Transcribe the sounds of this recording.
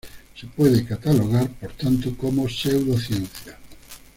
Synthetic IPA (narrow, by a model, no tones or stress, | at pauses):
sepweðekat̪aloɣ̞aɾpoɾt̪ant̪okomosewðoθjẽn̟θja